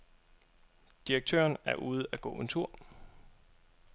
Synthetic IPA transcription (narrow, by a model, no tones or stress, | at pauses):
d̥iʁeɡ̥̚t͡sʰø̰ːɐnæɐʔuːð̞̩ˠæɡ̥ɔ̰̽ːe̝nt͡sʰuɐ̰